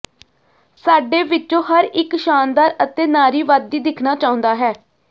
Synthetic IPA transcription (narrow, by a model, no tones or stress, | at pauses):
saːɖeːʋɪt͡ʃːõːɦəɾɪkʃaːnd̪aːɾət̪eːnaːɾiːʋaːd̪ːiːd̪ɪkʰnaːt͡ʃaːʊ̃nd̪aːɦɛː